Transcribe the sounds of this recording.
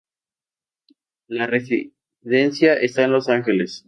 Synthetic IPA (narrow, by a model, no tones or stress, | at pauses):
laresi | ðe̞nsjaʔest̪aenlo̞saŋxele̞s